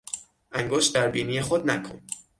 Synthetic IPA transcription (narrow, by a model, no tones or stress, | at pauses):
ʔæŋɡoʃt̪̚d̪æɾbiːniːjeχod̪̚næ̰kʰo̰n